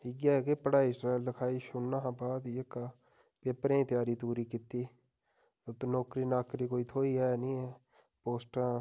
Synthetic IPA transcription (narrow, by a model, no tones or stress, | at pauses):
ɪɡjaːkeːpəɽaːisɾalːəkʰaːiʃʊnːaːɦːbaːd̪jeka | peːpɾẽːt̪jaːɾiːt̪uːɾiːkɪt̪ːiː | ot̪onɔːkɾiːnaːkɾiːkoːiːt̪ʰoːiɦɛːnĩːɛ | poːsʈã